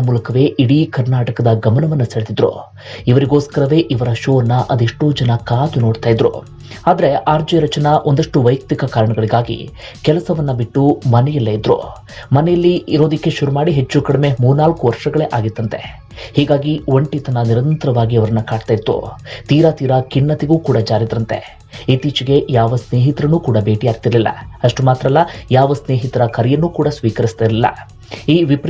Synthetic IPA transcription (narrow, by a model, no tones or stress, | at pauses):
ɐmuːlɐkɐʋe̞ːʔiɽikɐɾnaːʈɐkɐd̪ɐɡɐmɐnɐʋɐnːɐseɭd̪id̪ɾṵ | iʋɐɾiɡo̞ːskɐɾɐʋe̞ːʔiʋɐɾɐʃoːnːɐʔɐd̪iʂʈoːd͡ʒɐnɐkaːt̪unoːɽt̪aːjid̪ɾṵ | aːd̪ɐɾe̞ʔaːɾd͡ʒeɾɐt͡ʃɐnɐʔond̪ɐʂʈuʋɐjk̚t̪ikɐkaːɾɐɳɐɡɐɭiɡaːɡḭ | kɛlɐsɐʋɐnːɐbiʈːumɐnɛjɐlːɐid̪ɾṵ | mɐnɛjɐlːiːɾo̞ːd̪ikːe̞ʃuɾumaːɽiɦe̞t͡ʃːukɐɽɐme̞muːɾnaːlkuʋɐɾʂɐɡɐɭe̞ʔaːɡit̪ːɐnt̪e̞̰ | hiːɡaːɡioɳʈit̪ɐnɐniɾɐnt̪ɐɾɐʋaːɡiɐʋɐɾɐnːɐkaːɖt̪aːjid̪ːṵt̪iːɾɐt̪iːɾɐkinːɐt̪iɡuːkuːɽɐd͡ʒaːɾid̪ɾɐnt̪e̞̰ | it̪iːt͡ʃiɡe̞jaːʋɐsne̞ːɦit̪ɾɐnuːkuːɽɐbe̞ːʈijaːɡ̚t̪iɾɐlilːɐ̰ɐʂʈumaːt̪ɾɐlːɐjaːʋɐsne̞ːɦit̪ɐɾɐkɐɾɛjɐnːuːkuːɽɐsʋiːkɐɾist̪iɾɐlilːɐ̰ | iːʋipɾ